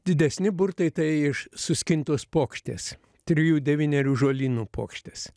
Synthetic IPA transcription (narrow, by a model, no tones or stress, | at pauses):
d̪ʲɪd̪ʲɛsʲnʲɪbʊɾt̪ɐɪt̪ɐɪɪʃsʊsʲkʲɪnʲt̪oːspoːkʃʲt̪ʲḛːs | t̪ʲɾʲɪjuːd̪ʲɛʋʲiːnʲɛɾʲuːʒoːlʲiːnuːpʰo̰ːkʃʲt̪ʲeːs